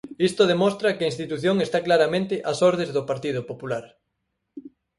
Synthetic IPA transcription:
ist̪oðemost̪ɾɐkɪaĩnst̪it̪uθjoŋest̪aklaɾamẽnt̪ɪʔasoɾðezðʊpaɾt̪ið̞ʊpopulaɾ

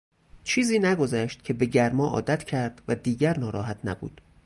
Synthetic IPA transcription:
t͡ʃʰiːziːnæɡo̞zæʃt̪̚cʲʰe̞be̞ɟæɾmɒːʔɒ̰ːd̪æt̪ʰcʰæɾd̪̥væd̪iːɟæɾnɒːɾɒːɦæt̪ʰnæbṵːd̪̥

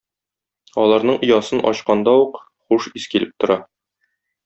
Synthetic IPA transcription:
ɒlˠɑɾnɤɴŏjɑsɤnʔɒ̰ɕqɑnd̪ɑuq | χuʃiskilɘp̚t̪ŏɾɑ

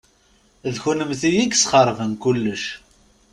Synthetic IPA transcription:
ðçunəmθijiɡsχəɾˤvənkulːəʃ

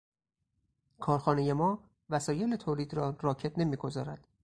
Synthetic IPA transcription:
kʰɒːɾxɒːneje̞mɒː | væsɒːje̞let̪ʰoːliːd̪ɾɒːrɒːcʰe̞t̪ne̞miːɡo̞zɒːɾæd̪̥

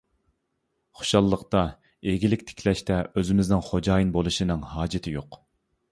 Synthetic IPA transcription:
χo̥ʃɑlˠːəqt̪ɑ | eɡʲilɪkʲt̪ʰe̥kʲʰlɛʃt̪ɛøzɪmɪznɪŋχod͡ʒɑːjinbolˠuʃinɨŋhɑːd͡ʒɪt̪ʰɪjoq

